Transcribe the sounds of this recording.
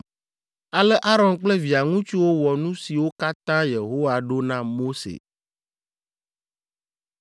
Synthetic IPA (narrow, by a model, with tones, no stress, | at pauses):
a˨lɛ˦ʔa˦ɾɔ̃˨nk͡plɛ˦vi˨a˨ŋũ˦t͡ʃu˦wo˦wɔ˨nũ˦si˨wo˦ka˦t̪ã˦je˨ɦo˦wa˨ɖo˦nã˦mo˦sḛ˨